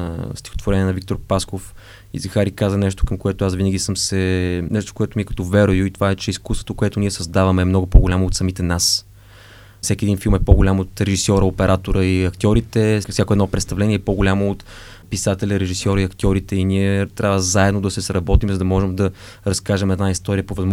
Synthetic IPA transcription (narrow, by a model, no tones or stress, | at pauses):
st̪i̥xot̪voɾɛniɛnɐvik̚t̪oɾpaskof | ḭzɐxaɾikazənɛʃt̪o̥kɐmkoɛt̪oasvinəɡʲisəmsɛnɛʃt̪o̥koɛt̪omiɛkɐ̥t̪ɔvɛɾojʊit̪o̥vaɛt͡ʃɛiskust̪vo̥t̪okoɛt̪ʊniɛsɐzd̪avɐmɛːmnɔɡʊpoɡʊlʲamoːt̪sɐmit̪ɛnas | fsɛkʲiɛd̪infilˠmɛpoɡʊlʲamot̪ɾɛʒisʲjɔɾəopɛɾʔat̪oɾəiɐkt̪ʲjɔɾit̪ɛfsʲakoɛd̪nɔpɾɛt̪st̪ɐvlɛniɛpoɡolʲamoːt̪ | pisat̪ɛlʲɐɾɛʒisjɔɾəiɐkt̪ʲɔɾit̪ɛiniɛt̪ɾʲʔavəzaɛd̪nod̪ɐsɛsɾɐbɔt̪imzɐd̪ɐmɔʒɛmd̪ɐ | ɾɐskaʒɛmɛd̪naist̪ɔɾijəpovɐzm